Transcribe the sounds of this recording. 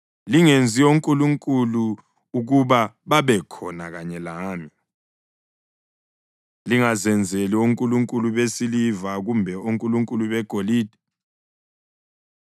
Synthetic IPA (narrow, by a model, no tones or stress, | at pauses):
liŋend͡zʱioŋkʼuluŋkʼulu | uɣuβa | βaβɛkʰɔnaɣaɲɛlaːmi | liŋazɛnd͡zʱelioŋkʼuluŋkʼuluβesilivaɣumbʱɛoŋkʼuluŋkʼuluβɛɡ̥ʱoliːd̥ʱi̥